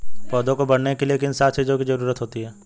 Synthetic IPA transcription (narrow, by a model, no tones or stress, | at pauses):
pɔːd̪õkobɐɽnekeliekiɪnsaːt͡ʃiːzõkid͡ʒɐɾuːɾət̪ɦoːt̪iɦɛː